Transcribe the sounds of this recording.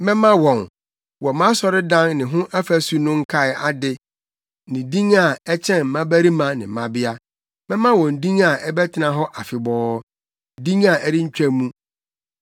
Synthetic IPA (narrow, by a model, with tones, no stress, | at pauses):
mɛ̃˦mã˦wɔ̃˨n | wɔ˨mã˦sɔ˨ɾɪ˦dã˦nnɪ̃˨ɦʊ̃˦ʔa˦fæ˨su˨nʊ̃˦ŋ̩˦kʰa˦ɪ˨a˨dɪ˦ | nɪ̃˨dĩ˦ŋa˨ɛ˦t͡ɕʰɛ̃˦˨mã˦bæ˦ɾi˦mã˨nɪ̰̃˨m̩˨mã˦bɪ˦a˦ | mɛ̃˦mã˦wɔ̃˨n˨dĩ˦ŋa˨ɛ˦bɛ˦tʰɪ˨nã˨ɦɔ˦ʔa˨fɪ˨bɔː˦ | dĩ˦ŋa˨ʔɛ˦ɾɪ˦ɲ̩˦t͡ɕᶣæ˦mũ˦